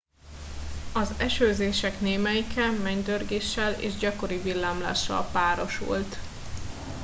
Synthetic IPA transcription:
ɒzɛʃøːzeːʃɛkneːmɛjikɛmɛɲd̪ørɡeːʃːɛlḛːʒɟɒko̞ɾivilːaːmla̰ːʃːɒ̰lpaːɾo̞ʃṵlt̪

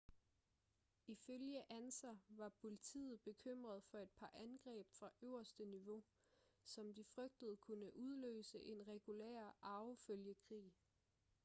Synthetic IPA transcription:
iføljəʔænsɐʋɑ̈pʰo̝lit͡sʰḭːð̩ˠb̥e̝kʰøm̰ʁɐð̞ˠfɒ̽e̝d̥̚pʰɑ̈ʔænɡ̥ʁɛ̰ːb̥fʁɑ̈ʔøʊɐsd̥əniʋo̝ | sɒ̽md̥ifʁœɡ̥̚d̥ð̩ˠkʰunəʔuð̞ˠlø̰ːsəʔe̝nʁɛɡ̥ulḛɐ̰ɑ̈ʊføljəkʰʁḭː

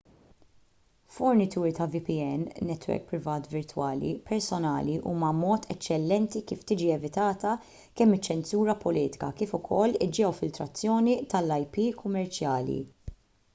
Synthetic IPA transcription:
fɔɾnɪt̪uːɾit̪ɐvipiɛnːɛt̪wɛ̰ɾk̚pɾɪvɐːt̪vɪɾt̪wɐːlḭpɛɾsɔnɐ̰ːliʔṵːmɐmɔːt̪ʰɛt͡ʃːɛlːɛnt̪ikiːft̪iːd͡ʒiɛvɪt̪ɐːt̪ɐ | kɛmːɪt͡ʃːɛnsuːɾɐpɔliːt̪ɪ̥kɐ̰kiːfʊkʰɔlːɪd͡ʒɛwfɪlt̪ɾɐt͡sːjɔːnit̪ɐlːɐjpiːkʰʊmːɛɾt͡ʃjɐːlḭ

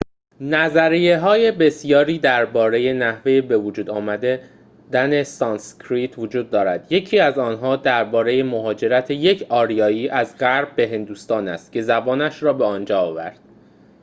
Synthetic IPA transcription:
næzæɾijeɦɒːje̞be̞sijɒːɾiːd̪æɾbɒːɾe̞je̞næhve̞jebe̞vod͡ʒuːd̪ɒːmæd̪e | d̪æne̞sɒːnscʰɾiːt̪ʰvod͡ʒuːd̪ːɒːɾæd̪je̞cʰiːæzɒːnɦɒːd̪æɾbɒːɾe̞je̞moɦɒːd͡ʒe̞ɾæt̪ʰe̞je̞cʰɒːɾijɒːiːʔæzɢæɾbːe̞ɦe̞nd̪uːst̪ɒːnæ̰st̪̚cʰe̞zæbɒːnæʃɾɒːbe̞ɒːnd͡ʒɒːɒːvæ̰ɾd̪̥

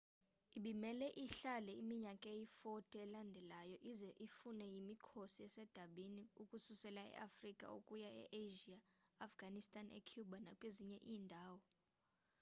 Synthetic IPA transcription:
iɓimɛlɛʔiɬalɛimiɲakʼejifɔtʰʼɛɛlandʱɛlajɔʔizɛʔifunɛjimikʰosiɛsɛd̥ʱaɓiniukʼususɛlaɛ̰ʔafrikʼa̰o̰kʼujaɛ̰ʔeʒiaːfɡ̥ʱanistʰʼanɛ̰kʰjuɓanakʼweziɲɛʔiːndʱaːwɔ

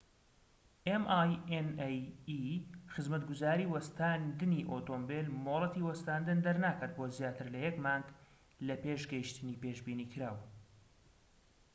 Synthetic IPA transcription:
ʔemʔajenjixɨzmɐt̪ɡʊzaːɾiːwɐst̪aːnd̪ɨniːʔoːt̪oːmbelmoːlˠɛt̪iwɐst̪aːnd̪ɨnd̪ɐɾnaːkaɾt̪̚bozjaːt̪ʰɨɾlɐjɛkmaŋɡ | lɐpeːʃɡɐjiʃt̪ɨniːpeːʒbiːniːkʰɨɾaːw

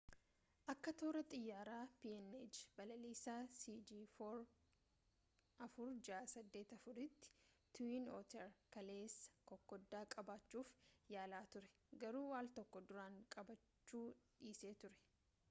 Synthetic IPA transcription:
ʔɐkːɐt̪oːɾɐt̪ʼɪjːaːɾaːpiːɛned͡ʒbɐlɐliːsaːsiːd͡ʒiːfoːɾ | ʔɐfʊɾd͡ʒaːsɐd̪ːeːt̪ɐfʊɾɪt̪ːɪ̥t̪ʊwiːnoːt̪ɛɾkɐle̞ːsːɐ̥kɔkːɔd̪ːaːkʼɐbaːt͡ʃːuːfjaːlaːt̪ʊɾɛ̥ | ɡɐɾuːwaːlt̪ɔkːɔd̪ʊɾaːŋkʼɐbɐt͡ʃt͡ʃːuːᶑiːseːt̪ʊɾɛ̥

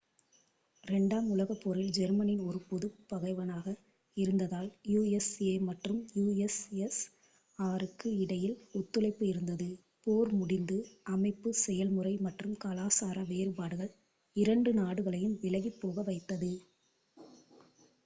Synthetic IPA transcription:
ɾɛɳɖaːmʊlɐɣɐpːɔɾɪld͡ʒɛɾmɐnɪnɔɾɯpɔðɯpːɐɣɐɪʋɐnaːɣɐ | ɪɾɯnd̪ɐðaːljuːɛseːmɐʈrɯmjuːɛsɛs | ɐʋɐɾɯkːɯɪɽɐjɪlʊt̪ːɯlɐɪpːɯɪɾɯnd̪ɐðɯ | poːɾmʊɽɪnd̪ɯɐmɐɪpːɯsɛjɐlmɯrɐɪmɐʈrɯmkɐlaːsaːɾɐʋeːɾpaːɽɯɣɐɭ | ɪɾɐɳɖɯnaːɽɯɣɐɭɐjɯmʋɪlɐʋipːoːɣɐʋɐɪt̪ːɐðɯ

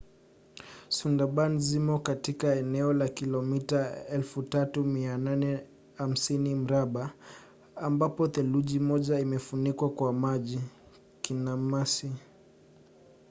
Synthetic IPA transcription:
sundaɓanzimɔkatikaɛnɛɔlakilɔmitaɛlfutatumiananɛ | ham̩sinim̩ɾaɓa | ambapɔθɛluʄimɔʄaimɛfunikwakwamaʄi | kinamasi

